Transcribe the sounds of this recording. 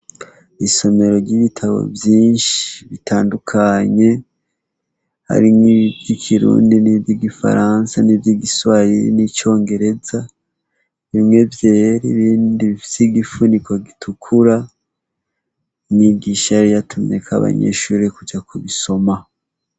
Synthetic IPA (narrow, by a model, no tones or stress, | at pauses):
iso̞me̞ɾo̞ɾɟiβitʰaβo̞̰vjiːnʃi̥βitʰaːndukʰaɲe̞ | ha̰ɾimŋivjikʰiɾṵːndiniviɡifa̰ɾansanivjiɡiswaɾiɾḭnit͡ʃo̞ːŋɡe̞ɾe̞za | βimŋe̞vjeːɾiβiːndiβifi̥seiɡifunikwoɡitʰukʰuɾa | imiɡiːʃaɾijatʰumɲe̞kʰa̰βa̰ɲḛʃuːɾekud͡ʒakuβiso̞ma